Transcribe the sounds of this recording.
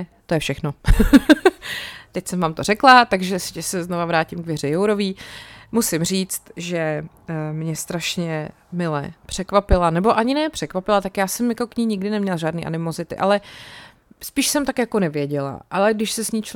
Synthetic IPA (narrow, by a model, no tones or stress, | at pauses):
t̪o̞jɛfʃɛxno̞ | t̪ɛcsɛmvaːmt̪or̝ɛklat̪aɡʒɛsɪcɛsɛznovavɾaːcɪmkɡvjɛr̝ɛjowɾo̞viːmusɪmr̝iːt͡st̪ʒɛ | mɲɛst̪ɾaʃɲɛ | mɪlɛ̰pr̝̥ɛkvapɪlanɛbo̞ʔaɲɪnɛːpr̥ɛkvapɪlat̪akjaːsɛmjakokɲiːɲɪɡdɪnɛmɲɛlaʒaːdniːʔa̰nɪmozɪt̪ɪ̰ʔalɛ | spiːʃsɛmt̪akjakonɛvjɛɟɛla̰ʔalɛɡdɪʃsɛsɲiːt͡ʃ